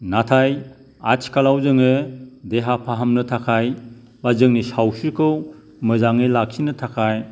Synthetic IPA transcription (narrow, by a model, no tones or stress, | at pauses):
natʰaj | a̰t͡ʃʰkalawzɯŋɯdeɦapʰaɦamnɯtʰakʰaj | bazɯŋnisawsɯkʰɯw | mɯzaŋelak̚sʰinɯtʰakʰaj